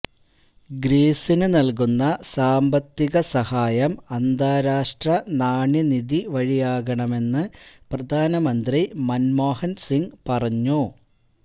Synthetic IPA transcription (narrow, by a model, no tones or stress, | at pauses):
ɡɾiːsinɨnɐlk̬unːɐsaːmbɐt̪ːiɣɐsɐhaːjɐmɐnd̪aːɾaːʂʈrɐnaːɳjɐnid̪iʋɐɻijaːɣɐɳɐme̞nːɨprɐd̪ʱaːnɐmɐnd̪rimɐnmo̞ːhɐnsiŋɡpɐrɐɲːu